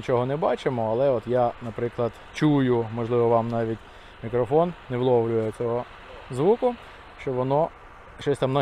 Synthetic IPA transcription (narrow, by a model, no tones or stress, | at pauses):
t͡ʃɔɦɔnɛbɑt͡ʃɪmɔɐlˠɛɔt̪janɐpɾɪklˠɐd̪̥ | t͡ʃujʊmɔʒlˠɪʋɔʋɑmnɑʋʲitʲ | mʲikɾɔfɔnːɛwlˠɔʋlʲʊjɛt͡sʲɔɦɔ | zʋukʊ | ʃt͡ʃɔʋɔnɔ | ʃt͡ʃɔsʲt̪amnɔ